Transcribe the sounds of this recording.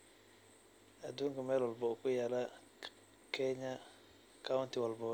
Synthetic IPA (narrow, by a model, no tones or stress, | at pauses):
aduŋkamɛlɔlbɔkujala | kʰɛɲa | kawuntiwɔlbɔ